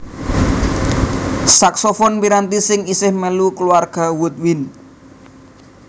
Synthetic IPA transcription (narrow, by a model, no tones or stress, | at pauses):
saksɔfɔnpiɾant̪isɪŋisɪhməlukluarɡ̥a̤wut̪̚win